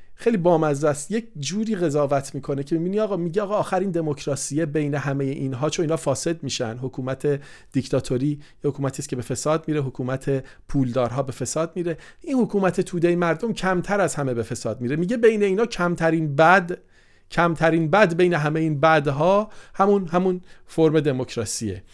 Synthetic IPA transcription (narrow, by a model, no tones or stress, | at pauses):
xejlibɒːmæzæsjec̚ʰd͡ʒuːɾiːɣe̞zɒːvæt̪ʰmiːkʰo̞necʰe̞mibiːniɒːɣɒːmiːɟeɒːɣɒːxæɾiːnd̪e̞mocʰɾɒːsijebe̞jne̞ɦæmejeʔiːnɦɒːt͡ʃʰo̞niːnɒːfɒːse̞d̪miːʃæ̰nd̪ɦokʰuːmæt̪ʰe̞d̪̥ict̪ʰɒːt̪ʰo̞ɾiː | hokʰuːmæt̪ʰiːscʰe̞be̞fe̞sɒːd̪̚miːɾeɦokʰuːmæt̪ʰe̞ | pʰuːld̪ɒːɾɦɒːbe̞fe̞sɒːd̪̚miɾe̞ | ʔinhokʰuːmæt̪ʰe̞t̪ʰuːd̪e̞jmæɾd̪o̞mcʰæmt̪ʰæɾæzhæme̞be̞fe̞sɒːd̪̚miːɾe̞miːɟe̞be̞jne̞iːnɒːcʰæmt̪ʰæɾiːnbæd̪ | cʰæmt̪ʰæɾiːnbæd̪be̞jne̞ɦæmejiːnbæd̪ɦɒːhæmunhæmunfo̞ɾme̞d̪e̞mo̞cʰɾɒːsijḛ